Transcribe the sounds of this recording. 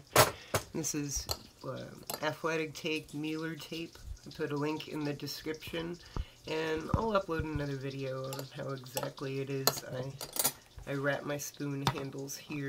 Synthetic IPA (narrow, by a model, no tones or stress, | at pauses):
ðɪsɨz | ʌ̰ʔæθlɛɾɨk̚tʰeɪk̚milˠə˞tʰeɪpaɪpʰʊɾəlɪ̃ŋkʰɨ̰̃nðɨdɨskɹɪpʃɨ̃n | ɨ̃na̰ɪlˠʌploʊɾɨnʌðə˞vɪɾioʊə̃nɦaʊɨɡzæk̚tʰˡliɨɾɪza̰ɪ | ʔaɪɹæʔ̚maɪspʉ̃nɦæ̃ndˡl̩ˠz̥hiɹ